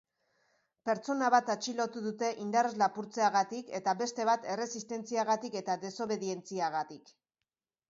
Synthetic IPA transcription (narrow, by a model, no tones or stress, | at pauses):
pe̞ɾt͡so̞naβ̞at̪at͡ʃilo̞t̪uðut̪e̞ʔind̪are̞zlapuɾt͡se̞aɣat̪ike̞t̪aβe̞st̪e̞β̞at̪e̞re̞sist̪e̞nt͡siaɣat̪ike̞t̪aðe̞so̞βe̞ðie̞nt͡siaɣat̪ik